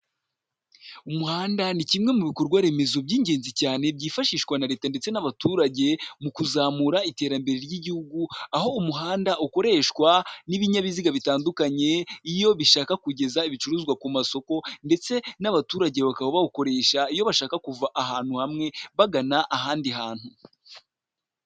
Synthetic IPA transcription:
umuhaːndanicimŋe̞muβiko̞ɾɡwaɾe̞me̞zo̞bɟiːɲɟe̞ːnzicaːne̞bɟiːfaʃiːʃkwanaɾe̞ːtande̞t͡se̞naβatuːɾaɟe̞mukuzaːmuɾaite̞ːɾambe̞ɾeɾjiɟihuɡuaho̞umuɦaːndaʔuko̞ɾe̞ːʃkwaniβiɲaβiziɡaβitaːndukaɲe̞ijo̞βiʃaːkakuɟe̞zaiβit͡ʃuɾuːzɡwakumaso̞ko̞nde̞t͡se̞naβatuːɾaɟe̞βakaβoβauko̞ɾe̞ːʃaijo̞βaʃaːkakuvaʔaɦaːn̥huhamŋe̞βaɡanaʔaɦaːndiɦaːn̥hu

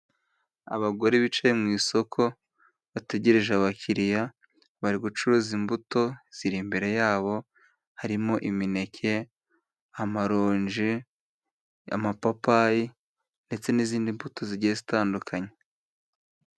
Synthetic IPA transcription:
a̰βaɡo̞ɾiβit͡ʃejemŋiːso̞kʰo̞ | βate̞ɟe̞ɾeʒeaβacʰiɾija | βaɾiɡut͡ʃuɾuzimbuto̞z̥iɾimbe̞ɾe̞jaːβo̞ | haɾimo̞ʔimine̞cʰe̞ | amaɾoːɲʒi | a̰mapapaji | nde̞t͡se̞niziːndimbuto̞ziɾɟijezitaːndukʰaɲe

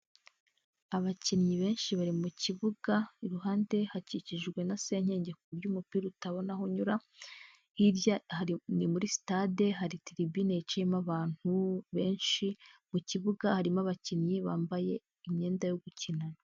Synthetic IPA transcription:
aβacinɲiβe̞ːnʃiβaɾimuciβuɡaiɾuɦaːnde̞haciciʒɡwe̞nase̞ɲe̞ːɲɟe̞kubjuːmupiːɾutaβo̞naɦoɲuɾa | hiɾahainimuɾisi̥tade̞ɦaɾitiɾibine̞t͡ʃimaβaːn̥huβe̞ːnʃimuciβuɡahaɾimaβacinɲiβaːmbaje̞ | imɲe̞ːndajo̞ɡucinana

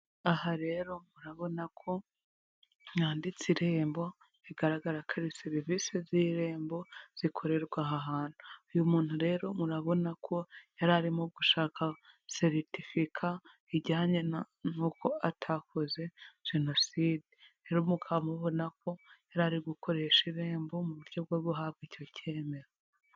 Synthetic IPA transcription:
ahaɾe̞ɾo̞muɾaβo̞nakʰo̞ | ŋaːndit͡siɾe̞ːmbo̞ | iɡaɾaɡaɾakʰaɾiseɾiviseziɾe̞ːmbo̞z̥ikʰo̞ɾe̞ɾɡwaɦaɦaːn̥huujumuːn̥huɾe̞ːɾo̞muɾaβo̞nakʰo̞jaɾaɾimoɡuʃaːkʰase̞ɾitifikʰa | iɟaaɲena | nuːko̞atʰakʰoze̞ʒ̥e̞no̞sidi | eɾumukʰamuβo̞nako̞jaɾaɾiɡukʰo̞ɾe̞ʃiɾe̞ːmbo̞muβuɾɟo̞b̚ɡoβuɦaβɡiːco̞ce̞ːme̞ɾo

